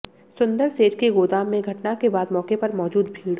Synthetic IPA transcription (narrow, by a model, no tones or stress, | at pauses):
sʊ̃nd̪əɾseːʈkeɡoːd̪aːmːẽɡʱɐʈnakebaːd̪mɔːkepɐɾmɔːd͡ʒuːd̪bʱiːɽ